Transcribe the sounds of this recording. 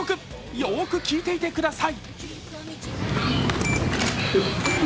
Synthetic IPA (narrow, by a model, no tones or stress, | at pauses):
okɯ̟ | ioːkɯ̟kʲiːt̪e̞it̪e̞kɯ̟d̪asai